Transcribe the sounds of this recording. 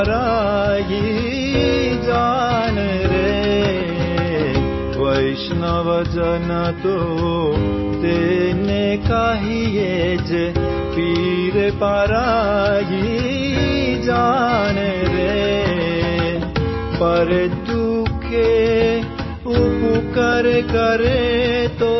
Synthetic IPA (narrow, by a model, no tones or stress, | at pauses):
ɾaji | d͡ʒane | ɾe | ʋəɪʃnaʋəd͡ʒənat̪o | t̪enekaɦijed͡ʒe | piɾepaɾaɦi | d͡ʒañeɾe | pəɾed̪ukʰe | upukəɾekəɾet̪o